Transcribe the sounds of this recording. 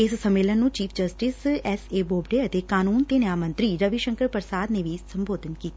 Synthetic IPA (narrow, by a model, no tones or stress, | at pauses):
ɪssəmːeːlənːũːt͡ʃiːpʰd͡ʒəsʈɪsɛseːboːbɖeːət̪eːkaːnuːnt̪eːnjaːmə̃nt̪ɾiːɾəʋiʃə̃ŋkəɾpəɾsaːd̪neːʋisə̃mboːd̪ənkiːt̪a